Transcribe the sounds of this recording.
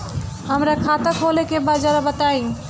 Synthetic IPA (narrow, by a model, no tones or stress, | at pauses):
hamɾakʰat̪akɦolekebad͡ʒaɾabat̪aj